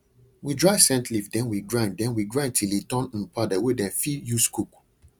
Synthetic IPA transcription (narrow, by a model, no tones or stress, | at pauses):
widɹaɪsɛ̃ntlifdɛ̃nwiɡɹãnddɛ̃nwiɡɹãnd̚tʰilitɔ̃ñ̩padɛwedɛ̃nfijuskuk